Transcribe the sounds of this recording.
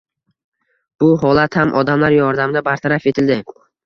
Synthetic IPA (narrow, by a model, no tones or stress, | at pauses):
b̥ʊɦɒlat̪hamʔɒd̪amlaɾjɒɾd̪amd̪abaɾt̪ʰaɾafe̞t̪ʰɪld̪ɪ